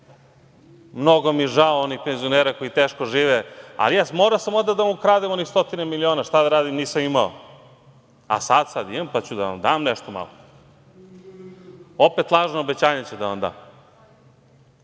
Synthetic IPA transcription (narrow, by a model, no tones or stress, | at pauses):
mnoɡomieʒaoonixpenzioneːɾako̞it̪eːʃkoʒiːʋea̰lijaːsmoːɾasamond̪ad̪amukɾaːd̪emo̞nixst̪o̞t̪inemilioːnaʃt̪ad̪aɾaːd̪imniːsamimao̰ | a̰sad̪sad̪imampat͡ɕud̪a̰ʋa̰md̪aːmneʃt̪oma̰lˠo | opet̪lˠaːʒnoobet͡ɕaːɲet͡ɕed̪aond̪a̰ː